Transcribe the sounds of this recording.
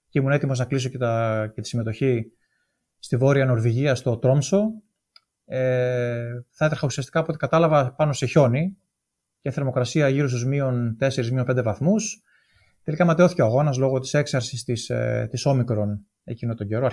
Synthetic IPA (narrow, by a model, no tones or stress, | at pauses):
ceimune̞t̪imo̞znɐklis̬o̞et̪ɐcet̪i̥sime̞t̪o̞çi | st̪ivo̞ɾiɐno̞ɾviʝiɐst̪o̞t̪ɾo̞mso̞ | e | θɐet̪ɐɾxɐusiɐst̪i̥kɐpot̪ikɐt̪ɐlɐvɐpɐno̞seço̞ni | ceθe̞ɾmo̞kɾɐsiɐʝiɾos̬t̪uzmio̞nt̪e̞seɾizmio̞mpend̪e̞vɐθmus | t̪e̞likɐmɐt̪eo̞θiceoɐɣo̞nɐzlo̞ɣo̞t̪i̥se̞ksɐɾsist̪ist̪iso̞mikɾo̞n | e̞cino̞t̪oɟe̞ɾo̞ɐ